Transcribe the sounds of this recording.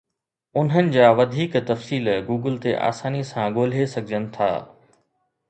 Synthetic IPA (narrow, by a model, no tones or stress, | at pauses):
ʊnɦənɪ̆d͡ʑaːʋɐd̪ʱiːkt̪ɐfsiːlɡuːɡəlt̪eʔa̰ːsaːnisãɡoːl̤esɐɡʱɪd͡ʑənɪ̆t̪ʰa̰ː